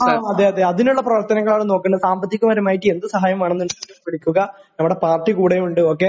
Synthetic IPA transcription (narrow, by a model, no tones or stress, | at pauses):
aaɐd̪eːɐd̪eɐðinuɭːɐprɐʋɐrt̪ɐnɐŋːɐɭaːɳɨno̞ːkːɐɳɖsaːmbɐt̪ʰːikʲːumʋɐɾɐmaːjiʈːɨe̞nd̪ɨsɐɦaːjɐmaːɳenːunskːɐmpiɭikʲːuɣɐnɐmːuɽepaːrʈːikuːɽeuɳɖɨo̞ːk̬ːe